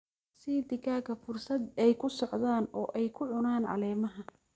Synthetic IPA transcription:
sid̪ɪkaːkɐfʊrsɐd̪ɛjkʰʊsɔʕðaːnɔːʔɛjkʰʊʕʊnaːnʕɑ̰lɛːmɐɦɐ

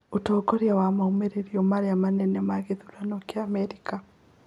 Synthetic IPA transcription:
otɔːkɔɾeawamaumeɾeɾiɔmaɾejamanɛnɛmaɣeðulanɔkeamɛɾika

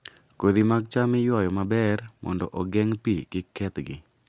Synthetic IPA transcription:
kod̪imaɡ̚t͡ʃamɪjwɔjɔmabɛrmɔ̰ndɔ̰ʔɔɡɛŋpiɡɪkɛt̪ɡɪ̰

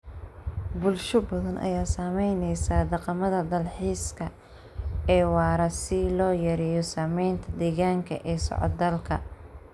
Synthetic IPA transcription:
bʊlʃʊbɐðɐnʔɐ̰jaːsamɛjnɛjsaːd̪ɑqɑmɐðɐd̪ɐlħiːskʰɐ | ɛːwɑːɾɐsɪlɔːjɐɾijɔsɐːmɛjnt̪ʰɐd̪ɛːɣaːŋkʰɐ̰ʔɛːsɔ̰ʕɔ̰d̪ːɐlkʰɐ̰

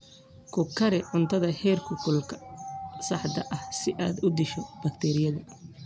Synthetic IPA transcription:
kʰʊkʰɐɾɛʕʊnt̪ʰɐðɐhɛːrkʰʊkʰʊlkʰɐ̥sɑħd̪ɐʔɐhsɪʔaːd̪ʊd̪ɪʃɔb̥ɐkt̪ʰɛːɾɪjɐðɐ

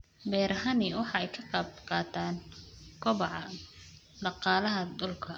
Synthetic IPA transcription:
bɛːɾɐɦɐnɪwɑħɑɛjkʰɐqɑːbqɑːt̪ʰaːnkʰɔβɐʕɑ | d̪ɑqɑːlɐɦɐd̪ʊlkʰɐ

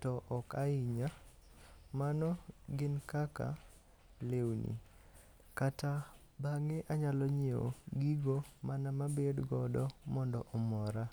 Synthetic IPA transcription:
tɔʔɔkaɪɲa | manɔɡɪnkaka̰ | lewnḭ | kata | baŋeʔaɲalɔɲeo̰ɡiɡomanamabedɡɔdɔmɔndɔʔɔmɔɾa

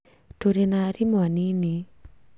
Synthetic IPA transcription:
toɾenaɾimwanini

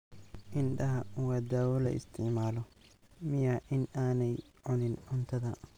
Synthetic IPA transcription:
ʔɪnɖɐɦɐwɑːd̪aːwɔlɐ̰ʔɪ̰st̪ʰɪʕmaːlɔ | mɪjɐʔɪnaːnɛj | ʕʊnɪnʕʊnt̪ʰɐðɐ

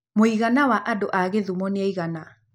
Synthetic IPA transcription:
moiɣanawaʔadoʔaɣeðumɔneaiɣana

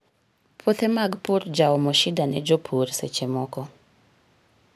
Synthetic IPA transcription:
pʰot̪emaɡpurd͡ʒawɔmɔʃɪdanɛ̰d͡ʒopʰoɾsḛt͡ʃemɔkɔ

